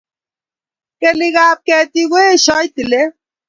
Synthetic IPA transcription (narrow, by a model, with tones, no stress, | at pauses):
ke˦li˦ɣaː˨p̚kɛ˨t̪i˦ɣo˦e˦ʃɔ˦jt̪i˨le˦